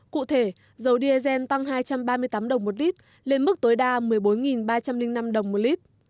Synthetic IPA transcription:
kṵ˧˨t̪ʰe˧˩ | zə˨˦wɗi˧e˧zɛ˧nt̪a˧ŋɦaː˧jt͡ɕa˧mɓaː˧mɨ˧əjt̪aː˨˦mɗə˨˩wŋ͡mmo˨˩t̚li˦˥t̚ | le˧nmɨ˦˥k̚t̪o˨˦jɗaː˧mɨ˨˩əjɓo˨˦nŋi˨˩nɓaː˧t͡ɕa˧mlï˧ŋna˧mɗə˨˩wŋ͡mmo˨˩li˦˥t̚

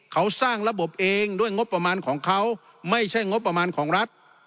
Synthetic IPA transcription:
kʰa˦˥wsaː˥˩ŋɾa˧bo˨˩p̚ʔeː˧ŋduː˥˩əjŋo˦˥p̚pːɾa˧maː˧nkʰɔː˩˦ŋkʰa˦˥w | ma˥˩jt͡ɕʰa˥˩jŋo˦˥t̪̚p̚ːa˧maː˧nkʰɔː˩˦ŋɾa˦˥t̪̚

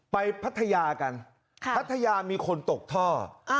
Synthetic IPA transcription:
pa˧jpʰa˦˥t̪ʰːa˧jaː˧ka˧n | kʰpʰa˦˥t̪ʰːa˧jaː˧miː˧kʰo˧nt̪o˨˩k̚t̪ʰɔː˥˩

